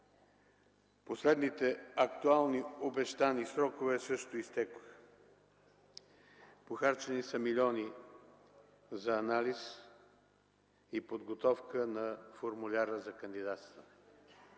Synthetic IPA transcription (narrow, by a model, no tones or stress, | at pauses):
poslɛd̪nit̪ɛɐkt̪ualˠniobɛʃt̪anisɾɔkovɛsɤʃt̪ʊist̪ɛkox | poxaɾt͡ʃɛnisəmilʲɔni | zɐːnalis | ipod̪ɡot̪ɔfkənɐfoɾmulʲaɾəzɐkənd̪id̪at̪st̪ə